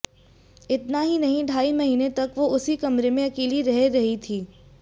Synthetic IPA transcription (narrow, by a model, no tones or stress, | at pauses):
ɪt̪naɦinɐɦĩɖʱaːimɐɦiːnet̪ɐkʋoʊsikɐmɾemẽɐkiːliɾɐɦeɾɐɦit̪ʰiː